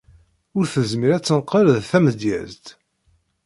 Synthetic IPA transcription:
ʊɾθəzmiɾæt͡sːənqəɾðθæməd̪jæ̰zt̪

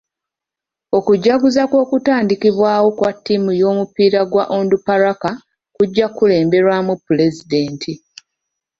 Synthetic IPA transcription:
o̞kuɟːaɡuzakwo̞ːkutaːndikiβwaːwo̞kwatːimujo̞ːmupiːɾaɡwa̰ʔoːndupaɾaka | kuɟːakule̞ːmbe̞ɾwamupːule̞zide̞ːntʰi

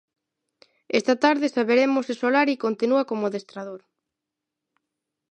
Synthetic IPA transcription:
est̪at̪aɾðɪsaβeɾemosesolaɾikont̪inuakomoðest̪ɾaðoɾ

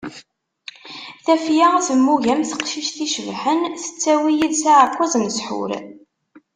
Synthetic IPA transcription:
θæfjaæθəmːuʝæmθə̥qʃiʃθiʃəvħənθə̥t͡sːæwijiðsaʕəkʷːæzˤnəsħʊ̰ɾ

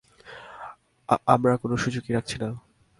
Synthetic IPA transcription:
amɾakonoʃud͡ʑokiɾak̚t͡ɕʰina

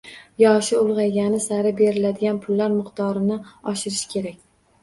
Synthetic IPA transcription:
jɒʃɪʊlˠʁɑjɡʲanɪsaɾɪbe̞ɾɪlad̪ɪɡʲanpʰʊlːaɾmɪqt̪ʰɒɾɪnɪɒʃɪɾɪʃkʲʰe̞ɾakʲ

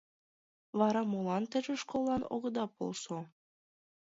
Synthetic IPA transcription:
βɑɾɑmolɑnt̪ɘ̆ʒĕʃkolˠɑno̰ɣɤ̆d̪ɑpo̰lˠso

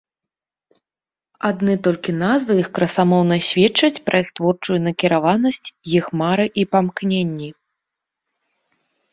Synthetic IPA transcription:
ad̪nɨt̪ɔlʲkʲin̪azvɨixkɾɐsamɔwnɐsʲvʲɛt͡ʂːɐt͡sʲpɾʔɐixt̪vɔrt͡ʂujunɐkʲiɾavanɐsʲt͡sʲjixmaɾɨʔipamknʲenʲːi

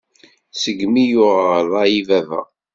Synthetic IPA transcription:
səɡmijʊʁʁlˤaivævæ̰

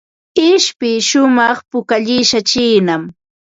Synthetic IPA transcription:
ɪʃpɪʃʊmɑχpʊkaʎɪʃat͡ʃiːnam

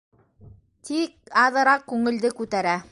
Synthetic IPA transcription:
t̪ik̚ɑðɤ̆ɾɑq̚kːʉŋɘ̆ld̪ɘkʉt̪æɾæ

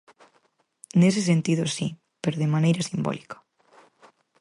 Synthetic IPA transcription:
nes̬esẽnt̪iðosi | peɾoðemanejɾasimbo̰likḁ

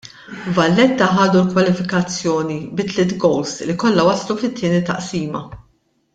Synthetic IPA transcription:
vɐlːɛt̪ːɐħɐːd̪ulkwɐlɪfɪkɐt͡sːjɔːnibɪt̪lɪt̪ɡɔwslikɔlːɐwɐslufɪt̪ʰːɪːnit̪ɐ̰ʔsiːmɐ

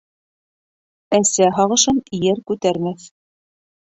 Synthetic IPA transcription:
æsæɦɑʁɤ̆ʃɤnjɘɾkʉt̪æɾmæθ

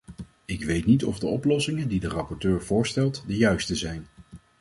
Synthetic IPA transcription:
ɪkʋejtnitɔvdəɔplɔsɪŋəndidərɑpɔɹtøːɹv̥ʊːɹstɛlˠtdəjœɥstəzɛjn

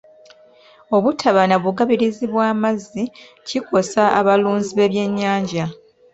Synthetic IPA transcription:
o̞βutʰaβanaβuɡaβiɾiziβwaːmazːi | ciko̞saaβaluːnziβe̞ːβje̞ɲːaːɲɟa

